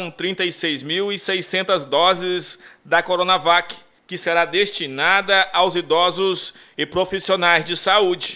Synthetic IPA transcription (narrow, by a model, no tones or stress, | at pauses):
w̃t̪ɾĩnt̪ɐisejzmiwisejsẽnt̪ɐzd̪ɔzɪzd̪ɐkoɾõnavak | kɪseɾad̪est͡ʃinad̪ɐʔawzid̪ɔzʊz | ɪpɾofisionajzd͡ʒɪsaud͡ʒɪ